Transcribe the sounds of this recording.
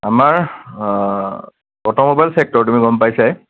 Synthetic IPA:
amaɹ | ɔtɔmobajlsek̚tɔɹtumiɡɔmpajsaj

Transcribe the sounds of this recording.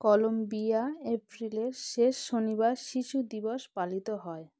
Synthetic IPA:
kɔlombiaepɾileɾʃeʃːonibaɾʃiʃud̪iboʃpalit̪oɦɔe

